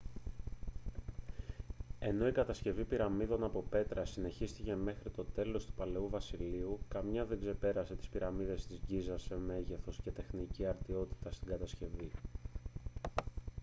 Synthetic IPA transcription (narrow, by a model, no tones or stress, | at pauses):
e̞no̞ikɐt̪ɐsce̞vipiɾɐmiðo̞nɐpo̞pe̞t̪ɾɐsine̞çist̪ice̞me̞xɾit̪o̞t̪e̞lo̞st̪u̥pɐle̞uvɐsiliukɐmɲɐðe̞ɡze̞pe̞ɾɐse̞t̪i̥spiɾɐmiðe̞st̪izʝizɐseme̞ʝe̞θo̞sce̞t̪e̞xniciɐɾt̪io̞t̪i̥t̪ɐst̪iŋɡɐt̪ɐsce̞vi